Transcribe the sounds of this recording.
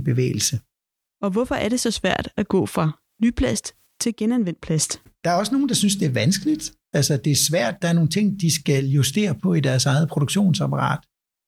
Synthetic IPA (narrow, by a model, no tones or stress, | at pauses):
b̥e̝ʋḛːɪl̩sə | ɒ̽ʋɒfɒ̽ʔæɐɾe̝sɒ̽sʋæɐ̰d̥æɡ̥ɔ̰̽ːfʁɑ̈ | nypʰlæsd̥ | t͡sʰe̝lɡ̥enænʋen̰d̥̚pʰlæsd̥ | d̥ɑ̈æɐɒ̽səno̝ːn̩d̥ɑ̈synsd̥e̝æɐʋænsɡ̥əlid̥ | ælsɐd̥e̝æɐsʋæɐ̰d̥̚ːɑ̈æɐno̝ːn̩t͡sʰe̝ŋ̰d̥isɡ̥æljusd̥e̝̰ːɐpʰɒ̽id̥æɐsɑ̈ɪð̞̩ˠpʰʁo̝ɾ̥oɡ̥ɕo̝̰ːnsɑ̈pʰɑʁɑ̰̈ːd̥